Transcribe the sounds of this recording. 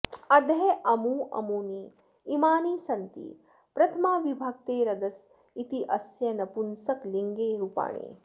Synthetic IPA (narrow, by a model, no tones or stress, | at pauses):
ɐd̪ʱɐɦeʔɐmuːɐ̰muːniː | imaːniːsɐnt̪ḭ | pɾɐt̪ʰɐmaːʋibʱaːɡ̚t̪eːɾɐd̪ɐs | it̪iʔɐsjɐnɐpunsɐkliŋɡeːɾupa̰ːɳḛː